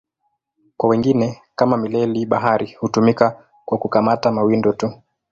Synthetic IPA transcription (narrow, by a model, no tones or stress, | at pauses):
kwawɛŋɡinɛkamamilɛliɓaɦaɾihutumika | kwakukamatamawindɔtu